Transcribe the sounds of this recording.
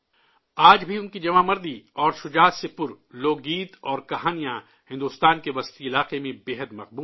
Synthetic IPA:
aːd͡ʒbʱiʊnkid͡ʒɐmaːmɐɾd̪iɔːɾʃʊd͡ʒaːsepʊɾ | loːɡiːt̪ɔːɾkɐɦaːnijã | hɪ̃nd̪ʊst̪aːnkeʋɐst̪iɪlaːqemẽbeːɦəd̪mɐq̚buː

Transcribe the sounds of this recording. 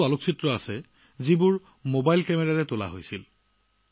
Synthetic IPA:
aloksʰitɹɔasɛ | zibʊɹ | mobajlkɛmɛɹaɹɛtola̰ɦojsil

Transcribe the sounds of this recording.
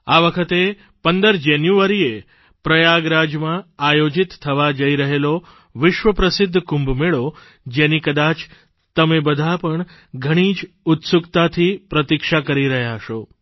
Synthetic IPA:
aʋəkʰət̪e | pənd̪əɾd͡ʒenjuaɾie | pɾəjaɡɾad͡ʒmãajod͡ʒɪt̪t̪ʰːəʋad͡ʒəiɾəɦelo | ʋɪʃʋəpɾəsɪd̪ʱːkũmbʱmeɭo | d͡ʒenikəd̪at͡ʃ | t̪əmebəd̪ʱapəɳ | ɡʱəɽ̃id͡ʒ | ʊt̪sukt̪at̪ʰipɾət̪ikʃakəɾiɾəɦjaʃo

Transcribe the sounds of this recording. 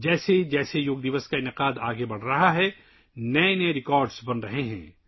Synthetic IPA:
d͡ʒɛːsed͡ʒɛːsejoːɡ̚d̪ɪʋəskaɪnɪqaːd̪aːɡebɐɽ̤ɾɐɦaɦɛ | nɐenɐeɾɪkɔːɾɖsbɐnɾɐɦeɦɛ̰̃ː

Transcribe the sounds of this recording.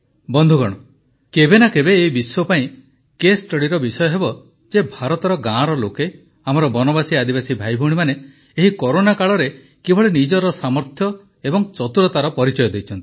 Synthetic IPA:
bɔnd̪ʱuɡɔɽ̃ɔ | kebenakebeːibiswɔpaĩ | kesʈɔɽiɾɔbisɔjɔɦebɔ | d͡ʒebʱaɾɔt̪ɔɾɔɡãɾɔloke | amɔɾɔbɔnɔbasiad̪ibasibʱajbʱuɽimaneː | ɦikɔɾonakaɭɔɾe | kebʱɔɭenid͡ʒɔɾɔsamɔɾt̪ʰjɔ | ebɔŋt͡ʃɔt̪uɾɔt̪aɾɔpɔɾit͡ʃɔjɔd̪ejt͡ʃʰɔnt̪i̥

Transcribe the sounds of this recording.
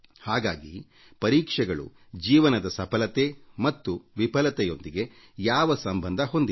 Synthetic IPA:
haːɡa̰ːɡi | pɐɾiːkʂɛɡɐɭṵ | d͡ʒiːʋɐnɐd̪ɐsɐpʰɐlɐt̪emɐt̪ːuʋipɐlɐt̪ɛjo̞nd̪iɡe̞ | jaːʋɐsɐmbʱɐnd̪ʱɐɦo̞nd̪i

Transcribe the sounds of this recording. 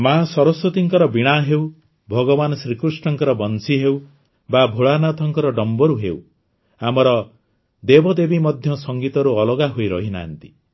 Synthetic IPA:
masɔɾɔswɔt̪iŋkɔɾɔbiɽ̃aɦew | bʱɔɡɔbanɔsɾikɾusʈɔŋkɔɾɔbɔnsiɦew | babʱoɭanat̪ʰɔŋkɔɾɔɖɔmbɔɾuɦḛw | amɔɾɔ | d̪ebɔd̪ebimɔd̪ʱjɔsɔŋɡit̪ɔɾuɔlɔɡaɦojɾɔɦina̰ːnt̪i̥

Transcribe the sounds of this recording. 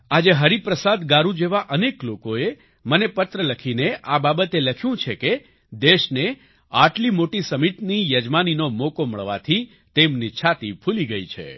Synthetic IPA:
ad͡ʒeɦəɾipɾəsad̪ɡaɾũd͡ʒeʋaʔəneklokoe | mənepət̪ɾələkʰineʔababət̪eləkʰjũt͡ʃʰeke | d̪eʃne | aʈlimoʈisəmiʈnijəd͡ʒmaninomokomə̰ɭʋa̰t̪ʰi | t̪emnit͡ʃʰat̪ipʰuliɡəit͡ʃʰḛ

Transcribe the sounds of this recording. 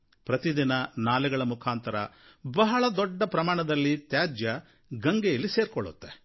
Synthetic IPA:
pɾɐt̪id̪inɐnaːlɛɡɐɭɐmukʰaːnt̪ɐɾɐ̰ | bɐɦɐɭɐd̪ɔɖːɐpɾɐmaːɳɐd̪ɐlːit̪jaːd͡ʒjɐ | ɡɐŋɡejɐlːise̞ːɾkɔɭːṵt̪ːe

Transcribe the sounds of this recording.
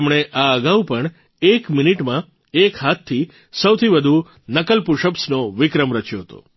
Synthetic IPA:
mɳ̃eʔaəɡaupəɳ | ekminiʈmã | ekɦat̪ʰːi | səwt̪ʰiʋəd̪ʱu | nəkəlpuʃəpsnoʋɪkɾəmɾət͡ʃjoɦət̪o̰

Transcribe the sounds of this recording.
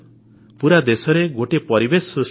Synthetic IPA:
puɾad̪esɔɾeɡoʈepɔɾibesus

